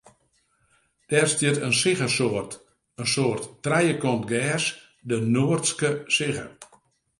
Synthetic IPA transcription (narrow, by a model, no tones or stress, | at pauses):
d̥ɛːrstjətənsɪɣəsoərt | ənsoːərtːrɛjəkɔntɡɛːs | dənoːərtskəsɪɣə̰